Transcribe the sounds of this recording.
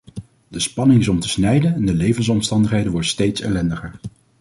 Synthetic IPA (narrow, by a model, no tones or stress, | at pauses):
dəspɑnɪŋɪzɔmtəsnɛjdənɛndəlejvəns̬ɔmstɑndəχejdənʋɔɹdəstejtsɛ̰lɛndəχəɹ